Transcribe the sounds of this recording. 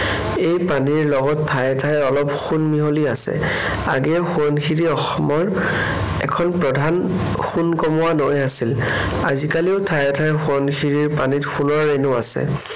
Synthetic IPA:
ejpaniɹlɔɡɔtʰːajɛtʰajɔlɔpxunmiɦoliasɛ̰ | a̰ɡɛxuɔnkʰiɹiɔxɔmɔɹ | ɛ̰kʰɔnpɹɔdʱan | xunkɔmɔwanojasil | azikaliʊtʰajɛtʰajxuɔnxiɹiɹpanitxunɔɹenʊasɛ̰

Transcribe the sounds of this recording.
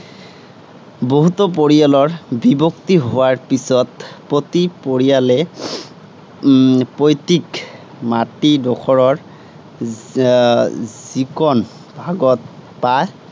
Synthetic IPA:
boɦut̪ɔp̬oɹijalɔɹbibɔktiɦowaɹpisɔtpɹotipoɹijalɛ | pojtik | matidɔkʰɔɹɔɹ | zikɔn | b̥ʱaɡɔt̚ | paj

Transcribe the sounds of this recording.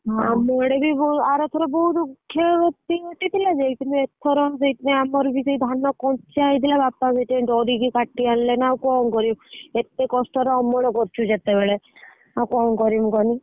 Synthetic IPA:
ɦamɔɽebibɔaɾɔt̪ʰɔɾɔbɔɦud̪ukʰːjɔɔt̪iet̪it̪ilad͡ʒejt̪ineet̪ʰɔɾɔzejt̪ineamɔɾbiseid̪ʱanɔkɔnt͡ʃʰiaɦid̪ʰʱilabapazet̪ĩɖɔɾiɡikaʈiallenawkɔmkɔɾimet̪ekɔsʈɔɾɔɔmɔɽɔkɔɾt͡ʃʰud͡ʒet̪ebeɭe | awkɔmkɔɾimũɡɔni

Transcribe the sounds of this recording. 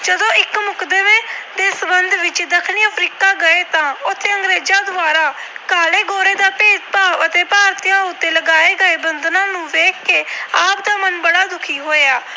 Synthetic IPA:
d͡ʒəd̪õːɪkmʊkd̪eːʋeːd̪eːsəbənd̪ʋɪt͡ʃd̪əkʰniːəpʰɾiːkaːɡəeːt̪ãːʊt̪ʰːeːəŋɡɾeːd͡ʒãːd̪ʊaːɾaːkaːleːɡoːɾeːd̪aːpeːd͡ʒpaːʋət̪eːpaːɾt̪ijãːʊt̪ːeːləɡaːeːɡəeːbənd̪nãːnũːʋeːkʰːeːaːp̚d̪aːmənbəɽaːd̪ʊkʰiːɦoːjaː

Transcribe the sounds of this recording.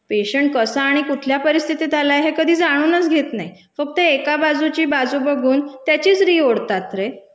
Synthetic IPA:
peɕəɳʈ̚kəsaːɽ̃ikuʈʰljapəɾist̪ʰit̪it̪alajɦekəd̪ʱiːd͡zaɽ̃uːnət͡sɡʱet̪naɦi | fək̚t̪əekabad͡zut͡ɕiːbad͡zuːbəɡʱuːnt̪jat͡ɕiːt͡sɾiːoɽt̪at̪ɾe

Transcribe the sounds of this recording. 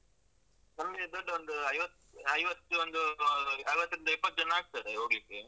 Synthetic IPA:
nɐmɡed̪oɖːʋond̪uɐjʋɐt̪ | ɐjʋɐt̪ːuond̪uɐjʋɐt̪ːɾind̪ipːɐt̪ːd͡ʒɐnːɐaːɡ̚t̪ad̪eɦoːɡlikːe

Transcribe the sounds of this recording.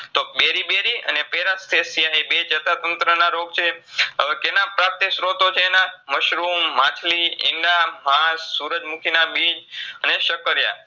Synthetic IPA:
t̪obeɾibeɾiə̰nepeɾast̪ʰesijaɦebet͡ʃət̪ʰat̪ənt̪ɾənaɾoɡt͡ʃʰeəʋekenapɾap̚t̪esɾot̪ot͡ʃʰeːnaməʃɾumːãt͡ʃʰliɪ̰ɳɖamãssuɾəd͡ʒmukʰinabid͡ʒəneʃəkəɾja̰

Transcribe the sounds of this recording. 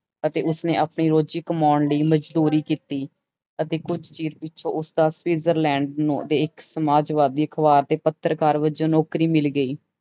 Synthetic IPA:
ət̪eːʊsneːʔaːpɳiːɾoːd͡ʒiːkəmɔːnləiːməd͡ʒd̪uːɾiːkiːt̪iː | ət̪eːkʊd͡ʒt͡ʃiːɾpɪʃʰõ̰ːʔʊsd̪aːswiːzəɾlɛ̃ːɳɖnũːəd̪eːɪksəmaːd͡ʒʋaːd̪iːəkʰəʋaːɾd̪eːpət̪ːəɾkaːɾʋəd͡ʒõːnoːkɾiːmɪlɡəiː

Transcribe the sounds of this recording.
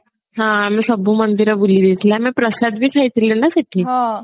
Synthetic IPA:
ɦãmĩsəbʱuːmənd̪iɾəbuliʋet̪leamĩpɾəsad̪̚bʱiːkʰait̪lenasaʈʰiːa

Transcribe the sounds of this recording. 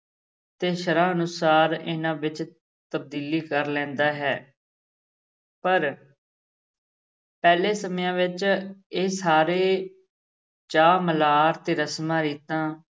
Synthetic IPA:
t̪eːʃəɾãːənʊsaːɾɪ̰nãːʋɪt͡ʃ | t̪əb̚d̪iːliːkəɾlɛ̃ːnd̪aːɦɛː | pəɾ | pɛːleːsəmjãːʋɪt͡ʃeːsaːɾeː | t͡ʃaːməlaːɾt̪eːɾəsmãːɾiːt̪ãː

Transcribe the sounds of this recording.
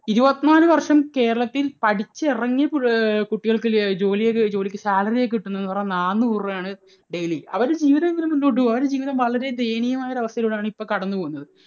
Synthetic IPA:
iɾubɐt̪ːnaːlɨʋɐrʂɐmke̞ːɾɐɭɐt̪ːilpɐʈʰit͡ɕːɨirɐŋːijɐpukuʈːiɣɐɭkɨd͡ʑo̞ːlijekɨd͡ʑo̞ːlikʲːɨsaːlɐrijek̬ːiʈːunːɐenːɨpɐrɐɲːnaːnːɨurːɐjaːɳɨ | ɖejliɐ̰ʋɐɾd͡ʑiːʋiðɐmeŋɡilemunːoːʈːuɐʋɐɾed͡ʑiːʋiðɐmʋɐɭɐɾe̞d̪ejnijɐmaːjɐɾɐʋɐst̪ɐjiloːɽaːɳɨipːoːkɐɽɐnːɨpo̞ːɣunːɐðɨ

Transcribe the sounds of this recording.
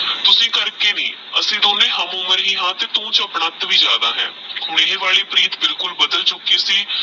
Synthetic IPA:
t̪ʊsĩːkəɾkeːnḭ̃ː | əsĩːd̪oːneːɦəmʊməɾɦiːɦãːt̪eːt̪ũːt͡ʃəpɳaːt̪ʋiːd͡ʒja̰ːd̪aːɦɛ̰̃ː | hʊɳeːeːʋaːleːpɾiːt̪bɪlkʊlbəd̪əlt͡ʃʊkːiːsiː

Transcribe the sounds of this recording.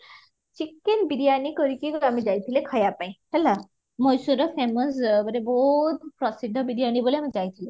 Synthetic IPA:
t͡ʃikːenbiɾijanikɔɾikikoamid͡ʒajt̪ʰilekʰəjapaĩhɛla | mɔjsuɾɔfeməsbəɾebot̪ʰpɾɔsid̪ʱəbiɾjaniboleamid͡ʒajt̪ʰile

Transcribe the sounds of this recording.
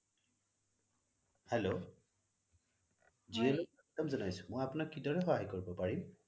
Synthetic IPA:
helo | zijɔlo | tɔmzɔnajsʊ̥mɔjapʊnakːidɔɹɛxɔɦajkoɹibɔpaɹim

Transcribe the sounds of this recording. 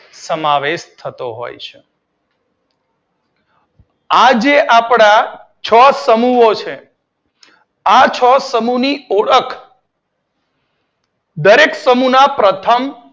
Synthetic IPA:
səmaʋeʃt̪ʰət̪oɦo̰jt͡ʃʰe | ad͡ʒeʔapɽa | t͡ʃʰəsəmuot͡ʃʰe | at͡ʃʰəsəmunioɽəkʰ | d̪əɾeksəmunapɾət̪ʰəm

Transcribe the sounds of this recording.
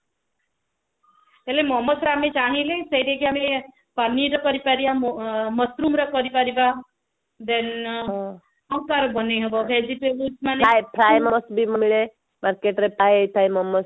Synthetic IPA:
elemɔmɔsɾamet͡ʃaɽ̃ilesejɾekiame | paniɾʌkʌɾipaɾibamʌt̪ɾumɾʌkʌɾipaɾiba | d̪en | awkaɾɔbʌneɦɔbɔbʱed͡ʒipeutmanepʰɾajmɔɔsbimɔmiɭe | maɾkeʈɾepajet̪ʰajmɔmɔs

